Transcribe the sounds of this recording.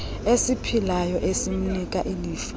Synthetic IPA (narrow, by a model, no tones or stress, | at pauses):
esipʰilajɔʔesim̩nikʼaʔiliːf